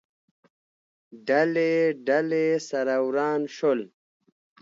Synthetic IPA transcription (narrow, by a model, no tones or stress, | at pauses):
ɖɐleɖɐlesɐɾawɾaːnɕol